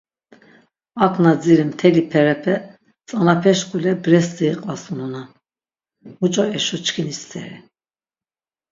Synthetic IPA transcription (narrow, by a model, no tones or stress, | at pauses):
akʰnad͡ziɾimt̪ʰɛlipʰɛɾɛpʰɛ | t͡sʼanapʰɛʃkulɛbɾɛst̪iiqʼvasununan | mut͡ʃʼɔɛʃɔt͡ʃkʰinist͡s̪ʰʼɛ̰ɾi